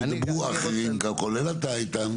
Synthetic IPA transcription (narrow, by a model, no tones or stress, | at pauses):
nbuaxiliŋ̩kʼakʼɔlɛlataitam